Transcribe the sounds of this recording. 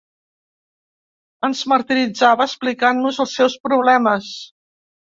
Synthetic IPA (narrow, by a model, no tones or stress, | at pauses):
ənzməɾt̪iɾid͡zaβəəsplikanːuzəlˠsːɛwspɾuβ̞lɛməs